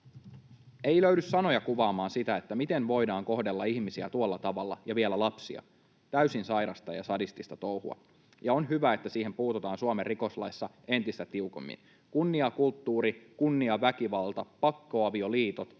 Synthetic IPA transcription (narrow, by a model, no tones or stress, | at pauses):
e̞jløydysːɑno̞jɑkuʋɑːmɑːnsit̪æet̪ːæmit̪e̞nʋo̞jdɑːŋko̞hde̞lːɑiçmisiæt̪uolːɑt̪ɑʋɑlːɑ̰jɑʋielælɑpsḭɑ̰ | t̪æysinsɑjɾɑst̪ɑjɑ̰sɑdist̪ist̪ɑt̪o̞whṵɑ̰ | jɑonɦyʋæet̪ːæsiːhempuːt̪ut̪ɑːnsuɑmerːiko̞slɑ̰jsːɑ | e̞nt̪ist̪æt̪iuko̞̰mːḭn | kunːiɑkult̪ːuːɾikunːiɑʋækiʋɑlt̪ɑpɑkːo̞ɑʋio̞liːt̪o̞t̪